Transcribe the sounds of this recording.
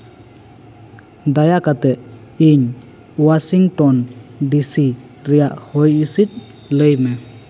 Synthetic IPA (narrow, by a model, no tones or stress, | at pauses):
d̪ajakat̪ɛʔ | iɲ | wasiŋtɔndisi | ɾɛjaʔhɔjisit̚ | ləjme